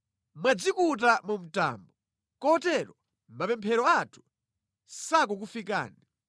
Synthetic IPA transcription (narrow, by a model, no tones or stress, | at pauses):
mwad͡zikut̬amum̩ta̰ːmbɔ | kɔtɛɾɔ | mapɛmpʰɛɾɔatʰu̥ | sak̬ɔk̬ufika̰ːni